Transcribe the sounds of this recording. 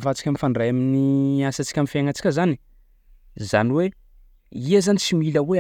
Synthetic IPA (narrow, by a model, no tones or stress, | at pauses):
vat͡si̥kʲamifaɳɖ͡ʐajaminiasat͡si̥kʲamifaŋat͡si̥kʲəzani̥ | za̰niwe | iazanit͡similəwe